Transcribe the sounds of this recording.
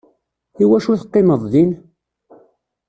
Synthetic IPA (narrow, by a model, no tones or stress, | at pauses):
iwæʃuθəqːɪməðˤːin